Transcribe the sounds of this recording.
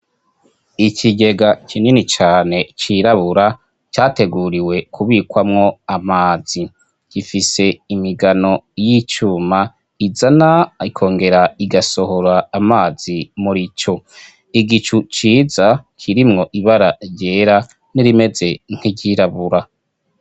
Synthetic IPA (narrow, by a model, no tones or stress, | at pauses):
iciɟe̞ɡacʰininit͡ʃaːne̞t͡ʃiɾaβuɾa | t͡ʃaːte̞ɡuɾiwe̞kʰuβiːkwamŋo̞amaːzi | ɟ̥ifise̞imiɡano̞jit͡ʃuːma | izanaikʰo̞ːŋɡe̞ɾaiɡaso̞ho̞ɾaːmaːz̥imuɾit͡ʃo | iɡit͡ʃut͡ʃiːzakʰiɾimŋo̞ʔiβaɾaɾɟe̞ːɾa | niɾime̞ze̞ŋ̥iɟiːɾaβuɾa